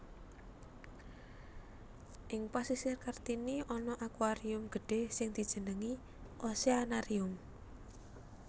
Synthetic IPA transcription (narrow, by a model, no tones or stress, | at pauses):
ʔɪŋpasisɪrkart̪iniɔnɔʔakwaɾiʊmɡ̥ə̤ɖ̥e̤sɪŋd̪̥i̤d̥ʒ̥ə̤nəŋi | ʔɔseanaɾiʊm